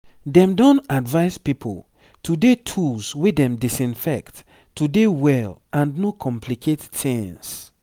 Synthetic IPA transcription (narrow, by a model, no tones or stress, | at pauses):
dɛ̃mdɔ̃nadvaɪzpipʰo̰l | tudetʰulswedɛ̃mdisĩnfɛkt | tudewɛlãnnokʰɔ̃mpʰlikʰetːɪ̃ns